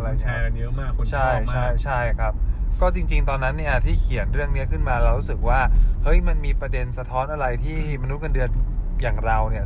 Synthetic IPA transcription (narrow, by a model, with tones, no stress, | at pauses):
ɾa˧jʰa˦˧jɯ˦˥maː˥˩kt͡ɕʰa˥˩jt͡ɕʰa˥˩jt͡ɕʰa˥˩jkʰɾa˦˥p̚kɔː˥˩t͡ɕi˧ŋt͡ɕi˧ŋt̪ɔː˧nːa˦˥nːi˥˩ɐt̪ʰiː˥˩kʰi˨˩˦ənɾɯ˥˩əŋni˦˥ɐkʰɯ˥˩nmaː˧lɛː˦˥wɾuː˦˥sɯ˨˩k̚waː˥˩hɤ˦˥jma˧nmiː˧pɾa˧de˧nsa˧t̪ʰɔː˦˥nʔa˧ɾa˧jt̪ʰiː˥˩ma˧nu˦˥ka˧ndɯ˧ənjaː˨˩ŋɾa˧wni˥˩ɐ